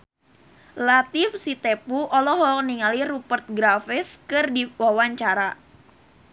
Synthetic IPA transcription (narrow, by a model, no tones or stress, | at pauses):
lat̪ifsit̪epuʔɔlɔɦɔk̚niŋaliɾupərt̪̚ɡɾafɪskɨrdiwawaɲt͡ʃaɾa